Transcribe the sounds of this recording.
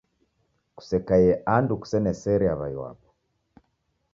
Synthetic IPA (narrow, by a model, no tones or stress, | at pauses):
ku̥sɛkajɛʔanduku̥sɛnɛsɛɾɛaβaiwa̰pɔ̥